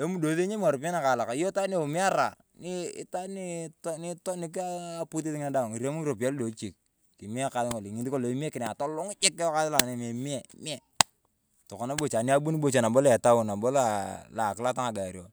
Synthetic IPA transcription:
e˦mu˦do˨ðe˦ɲe˦m˦a˨ɾo˨pa˦na˦˨ka˨la˨ka˨˦jo˦ta˦ni˦˨o˨mi˦a˦ɾa˨ | ni˦ɪ˦ta˦ni˦tni˦tɔ˦nɪ˨˦k̬ːpu˦t̬i˦tɪ˦ŋa˦da˦˨ŋi˨ɾe˦mu˦ɾo˨p̬a˦ldo˨˦t͡ʃi˨k̚ | ki˨mi˦a˦ka˨˦lɪ˦ŋo˨li˨ŋi˨ti˦ko˦lo˨i˦mi˦e˦kɪ˨n˨a˨tɔ˦lʊ˦ŋ˦t͡ʃɪ˦kːka˦ðɪ˦la˨ne˨me˨mi˦ɛ˨˦m˦ɛ˨ | tɔ˨kɔ˨na˦bo˨t͡ʃa˨ni˦a˦bu˦ni˦bo˨t͡ʃa˨na˨bɔ˦lɛ˨ta˦ʊ˨na˨bo˦la˨la˨kɪ˦la˦ta˦ŋa˨ɡa˨ɾi˨o˨

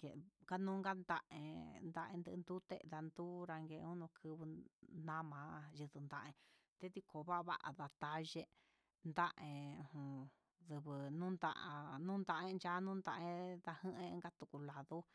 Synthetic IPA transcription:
kḛ˨ka˦nũ˦ŋɡa˦nd̪a˧ʔḛ̃˧nd̪a˧ʔḛ̃˧nd̪ɨ˧ʔnd̪u˦t̪ḛ˧ða˧nd̪u˦ɾa˧ŋɡe˧ũ˦nũ˧kʰɨ˧βɨ˧nã˦mãː˧˦jɨ˧ðɨ˧nd̪a˧ʔẽ˧ | t̪e˦t̪i˧kʰo˨βa˦˧βa̰˦ʔa̰˨ða˧t̪a˧ʒe˦˧ | nd̪a˦ʔẽ˧ũ˧hũ˧ | ðɨ˧βɨ˨nũ˦nd̪a̰˧ʔnũ˦nd̪a˧ʔẽ˦˧nt͡ʃa˦nũ˦nd̪a˧ʔẽ˧ða˧hɨ̃˦ʔẽ˧˦ŋɡa˦t̪u˧ku˧la˨ðu˦

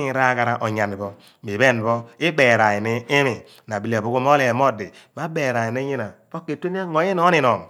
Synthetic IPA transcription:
ŋ˨ɾa˦ka˦ɾa˦ʔo˨ɲa˨ni˨bɔ˦ | mi˨βe˦˨n˨bɔ˦i˦be˨ɾa˨i˨ni˦i˦mi˨ | n˨a˨bi˦la˨bo˦ku˦m˦o˦le˨mo˦˨di˨ma˦be˨ɾa˨i˨ne˦ɲi˦na˨b̥o˦ke˨te˦n˦a˦ŋo˨˦i˦no˦i˦˨nɔ˨m˨

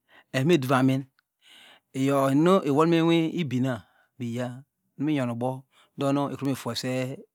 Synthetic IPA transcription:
e˨˦me˦˨du˨va˨mi˦n | e˨jo˨no˦ʔe˨wo˦m˦e˦wʷe˦i˦bi˨na˨ | bi˨ja˦ | nu˦mi˦ɲo˨nu˨bo˦ | do˦no˦e˨˦e˨fu˨e˨se˦

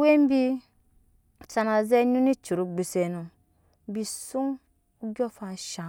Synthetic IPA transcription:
we˦m˦bi˦˨ | sa˨na˨ze˦nu˦ni˦t͡ʃu˨ɾu˦ɡ͡bi˨se˨nu˨ | bi˨su˦ŋ | u˦ɡo˦fa˨ʃa˨

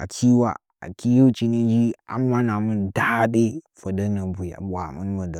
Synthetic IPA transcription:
a̰˨kʲʰi˦wa̰˨ | a̰˨ki˦ju˦t͡ʃi˦ni˦d͡ʒi˦a̰˨mːa˦na˨mu˦n˨da˦de˦fo˨da˦na˨bu˨ja̰˨bʷa˨mṵ˦n˦ma˨da˨

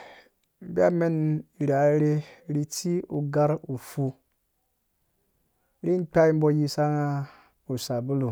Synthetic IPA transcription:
bi˦a˦me˦ni˨ɾa˨˦ɾe˦ɾi˦ti˦u˨ɡa˦ɾu˨fu˧ | ɾi˦n˦k͡pa˦i˦m̩˦bo˦ji˧sa˦ŋa˦ | u˨sa˨bu˦lu˨

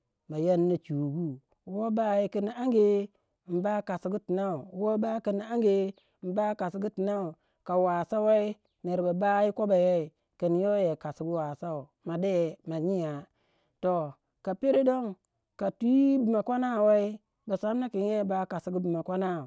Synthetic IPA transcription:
ma˨ja˦nːa˨t͡ʃu˨ɡu˦ | wo˦ba˦ji˨ki˨n˨a˦ŋɡe˦˨ | m̩˨ba˦ka˨si˨ɡu˦ti˨na˦u˨˦wo˦ba˦ki˨n˨a˦ŋɡe˦˨ | m̩˨ba˦ka˨si˨ɡu˦ti˨na˦u˨ | ka˨wa˨sa˦we˦i˦ | ne˨ɾba˨ba˦ji˦ko˦ba˨je˦i˨ | ki˨n˨˦jo˦je˨ka˨si˨ɡu˦wa˨sa˦u˨ | ma˨de˦˨ma˨ɲi˦ja˨ | to˨ | ka˨pe˦ɾe˦do˦ŋ | ka˨tu˦i˦bi˨ma˨kʷa˦na˦˨we˦i˦ | ba˨sa˦m˦na˦ki˨n˦je˦˨ba˦ka˨si˨ɡu˦bi˨ma˨kʷa˦na˦u˨

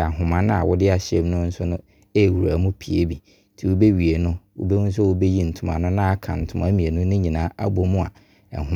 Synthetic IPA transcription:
a˨ɦʊ̃˨mã˨nʊ̃˦a̰˨wʔʊ˦dɪ˦a˨ɕɪ˦ɛ˨m˦nʊ̃˦n̩˦sʊ˦nʊ̃˦ | e˦˨wu˨ɾa˨˦mʊ̃˦pʰi˨e˦bi˨˦ | tʰi˨wʊ˦be˦ɥi˨e˨nʊ̃˦wʊ̰˦be˦wʊ̃˦n̩˦s̬ʊ˦wʊ˦be˦ji˦n̩˨tʰʊ˨mã̰˨nʊ̃˦nã˦a˦kʰã̰˨n̩˨tʰʊ˦mã˨˦mĩ˨e˨nʊ̃˦nʊ̃˦ɲĩ˨nãː˨˦a̰˦bo˦mʊ̃˦a̰˨ | ɛ̰˨ɦʊ̃˦

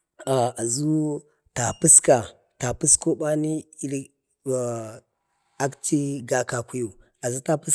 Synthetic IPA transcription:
a˨a˨zu˦ | ta˨pu˦ska˨ | ta˨pu˦sko˦ɓa˦ni˦i˦ɾ | a˦kt͡ʃi˦ɡa˨ka˨ku˦ju˨ | a˨zu˦ta˦pu˦s

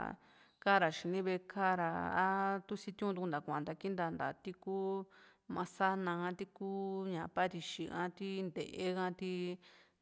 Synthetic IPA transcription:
ka˦ɾa˨ʃi˨˧nĩ˦βe˧kʰa˦ɾa̰˧a̰˦t̪u˦si˦t̪ũ˦˧t̪u˧nd̪a˨kʷã˨nd̪a˧ki˦nd̪a˧nd̪a̰˨t̪i˦kuː˦ | mã˧sa˦nã˧ã˧t̪i˦kuː˦ɲã˨pa˦ɾi˧ʃi˧ʔã̰˦t̪i˦nd̪ḛ˨ʔe˦ɣã˦t̪i˦

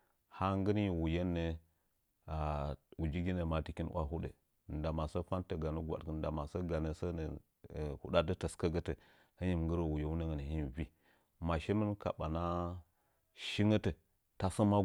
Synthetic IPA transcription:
ha˦ŋ˦ɡə˦n˦˨wu˨je˦nːə˦ | a˨wu˨d͡ʒi˦ɡi˦nə˨ma˨ti˦ki˦n˦wʷʔa̰˦ɦu˦ɗə̰˨ | n˨da˨ma˨sə˦fa˦ntə˨ɡa˨nu˦ɡʷa̰˨tkə˨n˦da˨ma˨sə˦ɡa˨nə˦sə˦nə˨ | hṵ˦ɗa˦də˦tə˨skə˦ɡə˦tə˨ | hə˦ɲi˦˨m˨ŋɡə˦ɾə˨wu˨je˦wu˦nə˦ŋə˨nə˨hi˦vi˦ | ma˨ʃe˦mə˦nka̰˨ɓa˨na˦ | ʃi˦ŋə˦tə˨ | ta˨sə˦ma˦

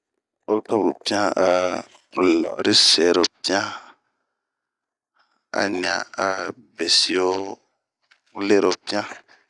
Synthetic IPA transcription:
o˦tɔ˦bu˨pi˦ã˦a˨ | lɔ̰˨ɾi˦se˨ɾo˨pi˦ã˦ | a̰˦ɲi˨ã̰˨a˨ | be˨si˨wo˦ | u˦le˦ɾo˨pi˦ã˦

